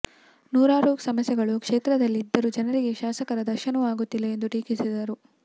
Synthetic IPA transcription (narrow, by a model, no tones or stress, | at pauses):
nuːɾaːɾuːksɐmɐsjɛɡɐɭukʂeːt̪ɾɐd̪ɐlːiːd̪ːɐɾud͡ʒɐnɐɾiɡe̞ʃaːsɐkɐɾɐd̪ɐɾʃɐnɐʋaːɡut̪ːilːɐend̪uʈiːkisid̪ɐɾu